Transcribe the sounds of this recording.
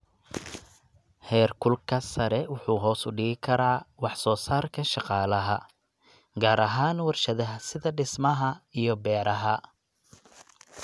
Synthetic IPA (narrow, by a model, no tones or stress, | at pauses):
hɛːrkʰʊlkʰɐsɐɾɛwʊħuːɦɔːsʊɖɪɣɪkʰɐɾaːwɑħsɔːsaːrkʰɐʃɑqɑːlɐɦɐ̰ | ɡaːɾɐɦaːnwɑrʃɐðɐɦɐsɪðɐɖɪsmɐɦɐijɔbɛːɾɐɦɐ